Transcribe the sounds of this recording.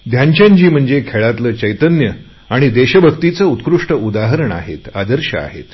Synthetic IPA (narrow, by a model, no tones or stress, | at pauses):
d̪ʱjaɲt͡ɕjãɲt͡ɕiːm̤əɳd͡zekʰeɭat̪ləːt͡ɕəjt̪ənjə | aɽ̃id̪eɕəbʱəkt̪it͡səut̪kɾuʂʈəud̪aɦəɾəɳa̰ɦḛt̪a̰d̪əɾɕə̰a̰ɦḛt̪